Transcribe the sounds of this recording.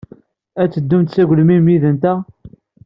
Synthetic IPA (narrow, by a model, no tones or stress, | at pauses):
æt͡sːəd̪ːumt̪t͡sæʝlmimjiðənt̪æ